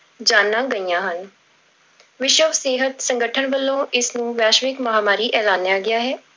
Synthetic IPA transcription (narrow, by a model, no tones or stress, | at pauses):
d͡ʒaːnːãːɡəijãːɦən | ʋɪʃəʋseːɦət̪sə̃ŋɡəʈʰənʋəlːõːɪsnũːʋɛːʃʋɪkməɦaːmaːɾiːʔɛːlaːnːjaːɡɪjaːɦɛː